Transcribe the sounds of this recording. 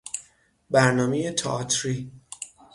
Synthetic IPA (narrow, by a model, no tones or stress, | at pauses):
bæɾnɒːmejet̪ʰɒʔːt̪ʰɾi